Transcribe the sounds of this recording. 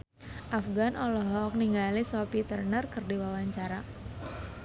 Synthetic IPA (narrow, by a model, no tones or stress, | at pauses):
ʔafɡanʔɔlɔɦɔk̚niŋɡalisɔpit̪ərnərkɨrdiwawaɲt͡ʃaɾa